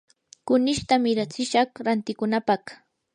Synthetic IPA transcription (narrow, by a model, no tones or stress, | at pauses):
kʊnɪʃt̪amɪɾat͡sɪʃɑχɾant̪ɪkʊnapɑχ